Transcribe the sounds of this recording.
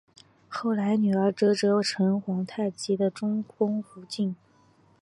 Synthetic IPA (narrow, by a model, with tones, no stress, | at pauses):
xo˥˩ʊla˧˥ɪny˨˩ə˞˧˥ʈ͡ʂɤ˥ʈ͡ʂɤ˧˥ʈ͡ʂʰɤ˧˥ŋxwɑ˧˥ŋt̪ʰa˥˩ɪt͡ɕi˧˥d̪ə˧ʈ͡ʂʊ˥ŋkʰʊ˥ŋfu˧˥t͡ɕi˥˩n